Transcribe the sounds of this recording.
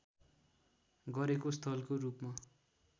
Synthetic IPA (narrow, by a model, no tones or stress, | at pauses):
ɡʌɾekost̪ʰʌlkorupma